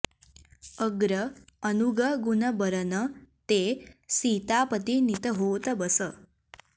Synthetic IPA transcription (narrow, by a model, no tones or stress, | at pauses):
əɡɾəənuɡəɡunəbəɾənət̪esit̪apət̪init̪əɦot̪bəsə